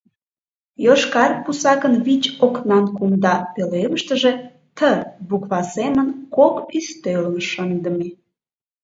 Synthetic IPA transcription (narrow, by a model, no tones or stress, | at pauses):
joʃkɑrpusɑkənβit͡ɕoknɑnkumd̪ɑpeleməʃt̪əʒe | t̪əβukβɑsemənkokyst̪ølənʃənd̪əme